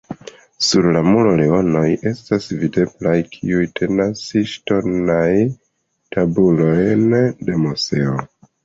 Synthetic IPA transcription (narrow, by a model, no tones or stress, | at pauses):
suɾlamulo̞leo̞no̞je̞stasvide̞blajkʰḭujtʰe̞nasiʃto̞naj | tabulo̞jnde̞muse̞o